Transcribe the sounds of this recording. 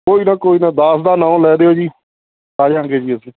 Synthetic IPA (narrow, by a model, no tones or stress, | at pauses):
koːiːnaːkoːiːnaːd̪aːsd̪aːnãːõlɛːd̪eːɦoːd͡ʒiː | aːd͡ʒãːŋɡeːd͡ʒiːəsĩː